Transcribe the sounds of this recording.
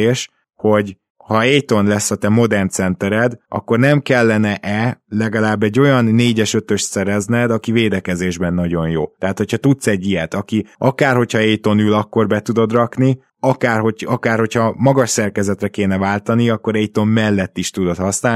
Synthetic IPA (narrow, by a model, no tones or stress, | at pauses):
eːʃ | ho̞ɟ | hɒɛjt̪o̞nlɛsːɒt̪ɛmo̞d̪ɛrnt̪sɛnt̪ɛɾɛd̪ɒ̰kːo̞rnɛmkɛlːɛnɛʔɛlɛɡɒlaːbːɛɟːo̞jɒnːeːɟɛʃø̞t̪ø̞ʃt̪sɛɾɛznɛd̪ɒkiveːd̪ɛkɛzeːʒbɛnːɒɟo̞njo̰ːt̪ɛɦaːt̪ho̞chɒt̪ut̪sɛɟːijɛt̪ɒkiɒkaːrho̞chɒɛjt̪o̞nylɒkːo̞rbɛt̪ud̪o̞d̪rɒkni | ɒkaːrho̞ɒkaːrho̞chɒmɒɡɒʃsɛrkɛzɛt̪rɛkeːn̪ɛvaːlt̪ɒniɒkːo̞ɾɛjt̪o̞mːɛlːɛt̪ːiʃt̪ud̪o̞t̪hɒsnaː